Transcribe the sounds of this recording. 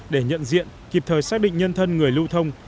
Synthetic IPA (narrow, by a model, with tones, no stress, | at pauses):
ɗe˧˩ɲə̰˧˨nzḭ˧˨ənki˨˩p̚t̪ʰəː˨˩jsaː˦˥k̚ɗḭ̈˧˨ŋ̟ɲə˧nt̪ʰə˧nŋɨ˨˩əjlu˧t̪ʰə˧wŋ͡m